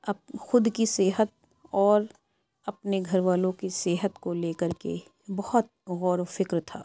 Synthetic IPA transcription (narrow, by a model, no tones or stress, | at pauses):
ɐbxʊd̪kiseːɦət̪̚ | ɔːɾ | ɐpneɡʱɐɾʋaːlõkiseːɦət̪koleːkəɾkḛ | bɐhɔt̪̚ɣɔːɾfɪkɾt̪ʰa̰ː